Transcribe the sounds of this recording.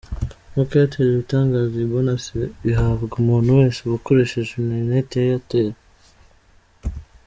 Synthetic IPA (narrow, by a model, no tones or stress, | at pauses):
mokejatʰeːɾeβitaːŋɡaːziiβonaseβiɦaβɡumuːnhuwe̞ːnseβuko̞ɾe̞ʃe̞ʒenenetijajateːɾe